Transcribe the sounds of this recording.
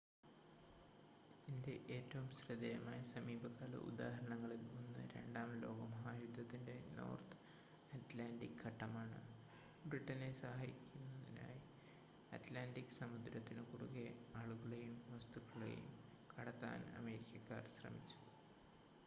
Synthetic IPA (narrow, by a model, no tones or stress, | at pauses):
inde̞ʔeːtːɐʋumɕrɨd̪ɐjɐmaːjɐsɐmiːbʱɐkaːlɐ̰ʔṵd̪a̰ːɦɐɾɐɳɐŋːɐɭilmunːɨ̰ɾe̞̰ɳɖaːmlo̞ːɡɐmɐɦaːjud̪ʱːɐt̪ːinde̞no̞̰ːrt̪ɨ̥ | ɐtlaːndikhɐʈːɐmaːɳɨ̰ | briʈːɐne̞sɐɦaːjikʲːunːɐðina̰ːji | ɐtlaːndikːɨ̥sɐmud̪ɾɐt̪ːinɨkuɽuɣeaːɭuɣɐɭejumʋɐst̪ukːɐɭḛjṵm | kɐɽɐt̪ːa̰ːnɐ̰meːɾikʲːɐkːa̰ːrɕrɐ̰mit͡ɕːu̥